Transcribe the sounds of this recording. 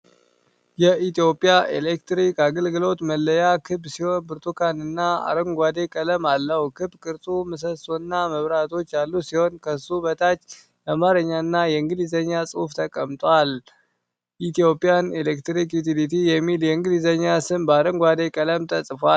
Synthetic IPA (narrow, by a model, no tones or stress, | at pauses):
jɛʔit̪ijo̞pʼːijaʔelekt̪ɾikaɡəlɡɨlo̞t̪məlːəjakʰɨbsiho̞nbɨɾt̪ʰukʰanɨnːaa̰ɾəŋɡʷad̪e̞kʼələmalːəhukʰɨbkʼɨɾt̪ʼumɨs̬əsonːaməβɾat̪ʰo̞t͡ʃːalːusiho̞nkʰəsubət̪ʰat͡ʃː | ʔamaɾəɲːaɨnːajɛɨŋɡɨlizəɲːasʼɨft̪ʰəkʼəmt̪ʼwal | ʔit̪ʰijo̞pʼːijanelekt̪ɾikjut̪ʰilit̪ʰijɛmːiljɛɨŋɡɨlizəɲːasɨmbəaɾəŋɡʷwad̪e̞kʼələmt̪ʰəsʼfa